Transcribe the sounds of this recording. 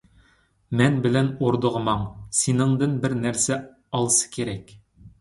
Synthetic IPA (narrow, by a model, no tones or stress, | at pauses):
mænbɘ̆lænoɾd̪ɤ̆ʁɤ̆mɑɴsinɘ̆ɴd̪ɘnbɘɾnæɾsæ | ɒlˠɤsɤ̥keɾæk